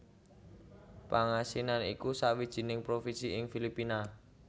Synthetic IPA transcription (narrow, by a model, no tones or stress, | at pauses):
paŋasinanikusawid̥ʒ̥i̤nɪŋpɾofisiɪŋfilipina